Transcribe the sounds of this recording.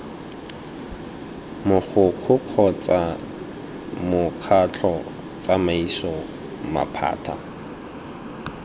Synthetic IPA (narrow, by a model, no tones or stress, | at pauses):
mʊk͡xʰʊq͡χʰʊq͡χʰɔt͡sʼa | mʊq͡χʰat͡ɬʰɔ | t͡sʼamaisɔ | ma̰pʰa̰ːtʰa̰